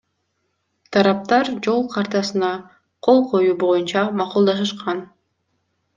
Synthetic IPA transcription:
t̪ʰɑɾɑp̚t̪ɑɾd͡ʒo̞lˠqʰɑɾt̪ɑsɯnɑ | qʰo̞lˠqʰo̞juːbo̞junt͡ʃɑmɑqulˠd̪ɑʃɯʃqɑn

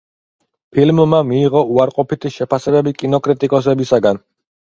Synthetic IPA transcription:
pʰilmːamiːʁɔuaɾqʼɔpit̪ʰiʃɛpʰasɛbɛbikʼinɔkʼɾit̪ʼikʼɔs̬ɛbisaɡan

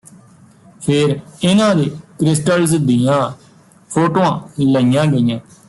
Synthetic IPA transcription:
pʰeːɾɪnãːd̪eːkɾɪsʈəlzd̪ijãː | pʰoːʈoːãːləjãːɡəijãː

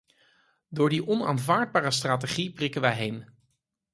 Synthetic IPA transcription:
dʊːɹdiʔɔna̰ːnvaːɹd̚baːɾəstraːt̬eχiprɪkənʋəjɦejm

